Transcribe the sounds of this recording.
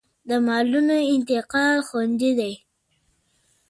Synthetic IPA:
d̪əmɑlunoɪnt̪ɪqɑlxand̪id̪aj

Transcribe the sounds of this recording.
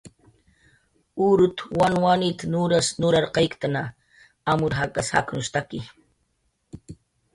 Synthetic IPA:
ʊɾʊt̪wanwanit̪anʊɾasnʊɾaɾqɑjkt̪ana | amʊɾɦakasha̰knʊst̪akɪ

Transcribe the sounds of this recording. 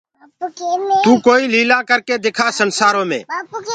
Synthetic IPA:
t̪uːkoːiːliːlãːkəɾkeːd̪eːkʰaːsənsaːɾõːmḛ̃ː

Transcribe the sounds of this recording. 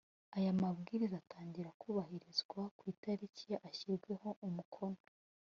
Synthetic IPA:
ajamabɡiːɾizaːtaːɲɟiɾakuːβaɦiɾizɡwakwiːtaɾiciʔaçiɾɡwe̞ho̞ʔumukʰo̞no

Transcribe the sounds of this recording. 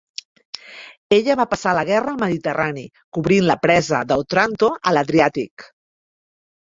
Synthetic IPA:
eʎəβapəsaləɣ̞ɛrəːlˠməðit̪ərʔani | kuβɾinləpɾɛzəðəwt̪ɾant̪oʔələðɾiat̪ik

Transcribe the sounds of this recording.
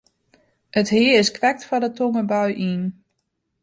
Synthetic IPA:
ətɦɪəɹɪskʋɛk̚tfɔdətʰoŋəbœɥʔin

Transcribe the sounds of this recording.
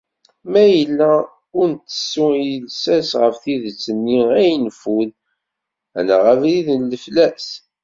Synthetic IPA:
mæjəlːæ | ʊɾnt̪ːə̥sːuəlsæsʁəfθiðət͡sːənːiæjnfuð | ænæʁəvliðənləflæs

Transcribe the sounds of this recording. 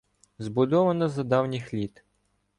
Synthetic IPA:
zbʊd̪ɔʋɐnɐzɐd̪ɑwnʲixlʲit̪

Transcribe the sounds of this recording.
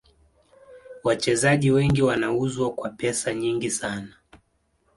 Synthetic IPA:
wat͡ʃɛzaʄiwɛŋɡiwanauzwakwapɛsaɲiŋɡisana

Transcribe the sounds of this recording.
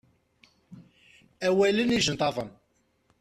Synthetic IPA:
æwæləniʒənt̪ˤɑvˤən

